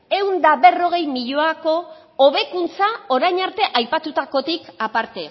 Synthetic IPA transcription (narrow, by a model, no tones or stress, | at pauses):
e̞wnd̪aβe̞ro̞ɣ̞e̞jmiʎoako̞ː | βe̞kunt͡sao̞ɾajɲaɾt̪e̞ʔajpat̪ut̪ako̞t̪ikapaɾt̪e̞